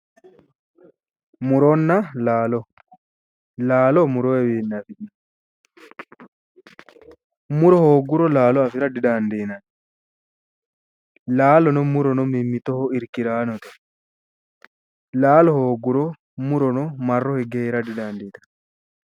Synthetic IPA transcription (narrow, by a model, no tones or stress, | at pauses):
muɾɔnːalaːlɔ | laːlɔmuɾɔɛwinːafiɗa | muɾɔhoːɡuɾɔlaːlɔafiɾadiɗandinan | laːlɔnɔmuɾɔnɔmimːit̪ɔhɔiɾkiɾaːnɔtɔ | laːlɔhoɡuɾɔ | muɾɔnɔmarːɔhɛɡɛɛɾadidandiːta